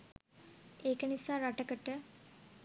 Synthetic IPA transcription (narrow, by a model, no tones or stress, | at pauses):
eːkənisaːɾaʈəkəʈə